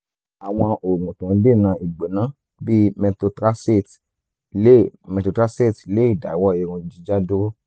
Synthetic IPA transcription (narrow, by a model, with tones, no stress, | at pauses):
a˨w̃ɔ̃˧o˨ŋũ˨tũ˨˦de˦˨nã˧i˨ɡ͡be˨nã˨˦ | bi˦mɛ̃˧to˧tɾa˦se˦˨t | le˦mɛ̃˧to˧tɾa˦se˦˨tle˨˦i˦˨da˨i˨˦wɔ˦e˧ɾũ˧d͡ʒi˦d͡ʒa˦do˦ɾo˦